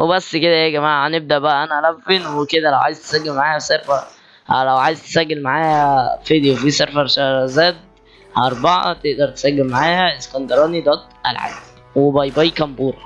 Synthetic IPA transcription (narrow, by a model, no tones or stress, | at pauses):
webæsːked̪æʔeːɡæmaːʕæneb̚d̪æʔbæʔæʔænæʔælæfːenweked̪ælæwʕa̰jezt̪e̥sæɡːelmaʕaːhæseɾfɑ | læwʕaːjezt̪e̥sæɡːelmaʕaːhæfed̪fiːseɾfɑɾʃæɾˤzæːd̪̚ | hɑɾˤbɑʕɑ̰t̪eʔd̪ɑɾˤt̪e̥sæɡːelmaʕaːhæeskɑnd̪ɑɾˤɑːnid̪ˤɑt̪ˤʔælʕa̰ːb̪ | webɑjbɑjikæmbuːɾˤɑ